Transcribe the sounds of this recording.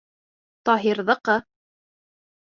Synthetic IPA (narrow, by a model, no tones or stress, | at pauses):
t̪ɒɦiɾðɤ̆qɤ